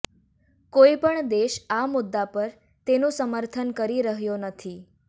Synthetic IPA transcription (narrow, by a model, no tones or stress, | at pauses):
koipəɳd̪eʃamʊd̪ːapəɾ | t̪enũsəməɾt̪ʰənkəɾiɾəɦjonət̪ʰi